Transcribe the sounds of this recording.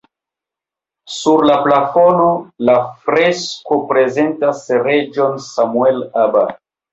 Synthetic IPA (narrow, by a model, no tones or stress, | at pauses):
suɾlaplafo̞nolafɾeskopɾe̞zentasre̞d͡ʒo̞nsamuelaba̰